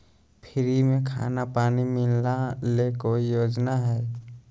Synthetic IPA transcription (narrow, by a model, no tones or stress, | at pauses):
pʰɪɾimẽkʰa̰ːnapaːnimɪlnalekoijoːd͡ʒnaɦɛː